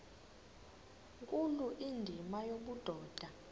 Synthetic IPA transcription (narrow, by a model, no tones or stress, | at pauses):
ŋkʼuluʔindʱimajoɓud̥ʱɔːd̥ʱa